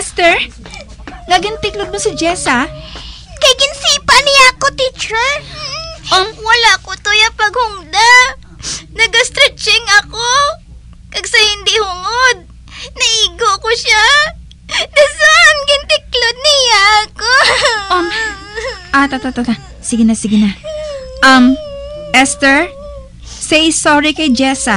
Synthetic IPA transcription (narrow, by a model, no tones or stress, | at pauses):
st̪ɛɹ | nɐɡɪnt̪ɪklod̪̚mosɪd͡ʒɛsɐ | kɐjɡɪnsiːpɐnɪjakot̪it͡ʃɛ | ʔomwɐlaʔkot̪ojɐpɐɡhʊŋd̪a | nɐɡɐst̪ɾɛt͡ʃɪŋɐko | kɐɡsɐhɪnd̪ihʊŋod̪̚ | nɐʔiːɡokoʃa | d̪ɐsaʔnɡɪnt̪ɪklod̪̚nɪjaʔkoʔo | ʔat̪at̪ot̪ona | sɪɡɪnɐsɪɡɪnɐʔɐmʔɛst̪ɛɹ | sɛjsoɾɪkɐjd͡ʒɛsɐ